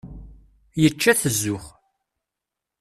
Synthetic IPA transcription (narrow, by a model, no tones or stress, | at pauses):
jət͡ʃːæθəzːʊχ